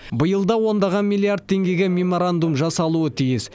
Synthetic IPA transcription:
bəjəlˠd̪ɑwo̞nd̪ɑʁɑnmilʲˠiard̪̚t̪ʰːe̞ŋɡʲe̞ɡʲemʲe̞mo̞ɾand̪umʒɑsɑlˠuət̪ʰijɪs

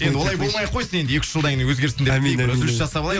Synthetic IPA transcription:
jend̪ɪwo̞lˠɑjbo̞lˠmɑjqʰo̞jsəne̞nd̪ɪjekʲɪ̥ʃʒəlˠd̪æŋɪnəŋwɵzɡʲeɾsɪnd̪emizɪɾɪsʒɑsɑpɑlˠɑj

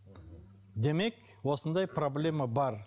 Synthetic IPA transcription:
d̪e̞me̞k | wo̞sənd̪ɑjproblʲe̞mabɑɾ

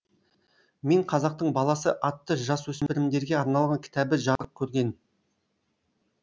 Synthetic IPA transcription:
me̞ɴqʰɑzɑq̚t̪əɴbɑlˠɑsəʔɑt̪ːəʒɑswɵsɪmɪɾɪmd̪e̞ɾɡʲe̞ɑɾnɑlˠʁɑŋkʲʰɪ̥t̪æbɪʒɑɾəp̚kʲʰɵɾɡʲe̞n

